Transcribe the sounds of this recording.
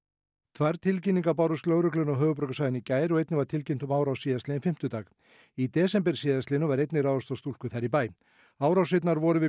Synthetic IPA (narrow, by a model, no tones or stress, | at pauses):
t̪ʰvaɾt̪ʰɪlcɪnːiŋkapaːwɾʏst̪lœwɣɾʏklʏnɔɦœːɣʏpɾœɥkasaːjðɪnicaːjɾɔɣejt̪nɪvaɾ̥t̪ʰɪlcɪnt̪ʏmaːwɾawsiːðast̪ɪɪnfɪm̥t̪ʏt̪aːx | it̪ɛːsɛmpɛɾ̥siːðast̪lɪnʏvaɾejt̪nɪraːðɔst̪awst̪ul̥kʏθaɾipaːj | aːwɾawsɪjt̪naɾvɔɾʏvɪ